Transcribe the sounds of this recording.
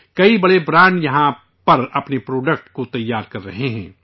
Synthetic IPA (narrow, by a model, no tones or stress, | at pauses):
kɐibɐɽebɾãːɳɖjɐɦã | pɐɾɐpnepɾoːɖək̚ʈkot̪ɐjːaːɾkɐɾːɐɦeɦɛ̰̃ː